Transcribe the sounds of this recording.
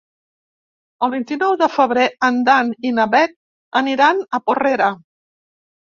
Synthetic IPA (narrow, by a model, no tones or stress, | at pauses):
əlˠβint̪inɔwðəfəβɾeənd̪aninəβɛk̚ | əniɾanəporeɾə